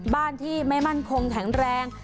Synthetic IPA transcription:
baː˥˩nt̪ʰiː˥˩ma˥˩jma˥˩nkʰo˧ŋkʰɛ˩˦ŋɾɛː˧ŋ

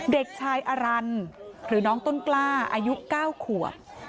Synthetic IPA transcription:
de˨˩k̚t͡ɕʰaː˧jʔa˧ɾa˧nɾɯː˩˦nɔː˦˥ŋt̪o˥˩nklaː˥˩ʔaː˧ju˦˥ʔkaː˥˩wkʰu˨˩əp̚

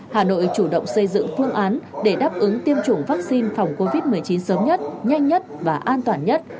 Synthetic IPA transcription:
haː˨˩no̰˧˨jt͡ɕu˧˩ɗə̰˧˨wŋ͡msə˧jzɨ̰˧˨ŋfɨ˧əŋʔaː˨˦nɗe˧˩ɗaː˦˥p̚ʔɨ˨˦ŋt̪i˧əmt͡ɕʊ˨˧˩ŋ͡mvaː˦˥k̚si˧nfa˨˩wŋ͡mko˧vi˦˥t̚mɨ˨˩əjt͡ɕi˨˦nsəː˨˦mɲə˦˥t̚ɲa˧jŋ̟ɲə˦˥t̚vaː˨˩ʔaː˧nt̪waː˨˩nɲə˦˥t̚

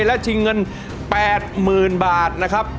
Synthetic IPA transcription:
lɛ˦˥t͡ɕ̪ʰi˧ŋːɤ˧n | pɛː˨˩t̪̚mɯː˨˩nbaː˨˩t̪̚na˦˥kʰɾa˦˥p̚

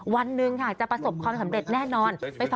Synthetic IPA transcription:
wa˧nːɯ˨˩ŋha˧˨˩k̚t͡ɕa˨˩pɾa˧so˨˩p̚kʰwaː˧msa˩˦mɾe˨˩t̪̚nɛː˥˩nɔː˧npa˧jfa˨

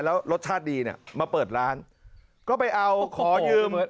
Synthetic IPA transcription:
lɛː˦˥wɾo˦˥t̪̚t͡ɕʰaː˥˩t̪̚diː˧ni˥˩maː˧pɤː˨˩t̪̚ɾaː˦˥n | kɔː˥˩pa˧jʔa˧wkʰɔː˩˦jɯː˧m

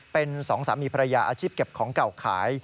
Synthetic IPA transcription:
pe˧nsɔː˩˦ŋsaː˩˦miː˧pʰa˧ɾa˧jaː˧ʔaː˧t͡ɕʰiː˥˩p̚ke˨˩p̚kʰɔː˩˦ŋka˨˩wkʰaː˩˦j

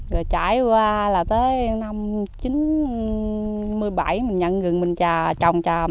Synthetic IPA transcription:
zə˨˩t͡ɕa̰ː˧˩jkwaː˧laː˨˩t̪əː˨˦jna˧mt͡ɕi˨˦n | mɨ˧əjɓa˧˩jmï˨˩ŋɲə˧ŋɣɨ˨˩ŋmï˨˩ŋ̟t͡ɕaː˨˩t͡ɕɔ˨˩wŋ͡mt͡ɕaː˨˩

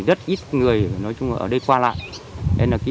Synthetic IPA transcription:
zə˦˥t̚ʔi˦˥t̚ŋɨ˨˩əjjnɔ˨˦jt͡ɕʊ˧ŋ͡maː˨˩ʔəː˧˩ɗə˧jkwaː˧la̰ː˧˨jʔɛ˧nlaː˨˩ki˨˦

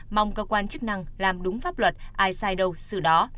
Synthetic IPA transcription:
ma˨˧wŋ͡mkəː˧kwaː˧nt͡ɕɨ˦˥k̚na˧ŋlaː˨˩mɗʊ˨˦ŋ͡mfaː˦˥p̚lwə˨˩t̚ʔaː˧jsaː˧jɗə˧wsɨ˧˩ɗɔ˨˦

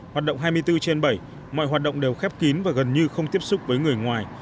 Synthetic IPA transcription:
ɦhaː˨˩t̚ɗə̰˧˨wŋ͡mɦaː˧jmɨ˧əjt̪ɨ˧t͡ɕe˧nɓə˧˩j | mɔ̰˧˨jhwaː˨˩t̚ɗə̰˧˨ŋ͡mɗe˨˩wxɛ˦˥p̚ki˨˦nvaː˨˩ɣə˨˩nɲɨ˧xə˧wŋ͡mt̪i˦˥əp̚sʊ˦˥k͡p̚vəː˨˦jŋɨ˨˩əjŋwaː˨˩j

